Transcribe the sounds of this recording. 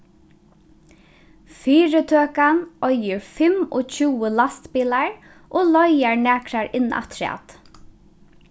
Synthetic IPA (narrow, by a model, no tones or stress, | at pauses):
fiːɾət̪ʰøːkanʔɔjəɹfɪmɔ̰ːt͡ɕʰuːəlast̪piːlaɹ | ʔoːlɔjaɹnæːkɾaɹɪnːa̰t̪ʰɾa̰ːt̪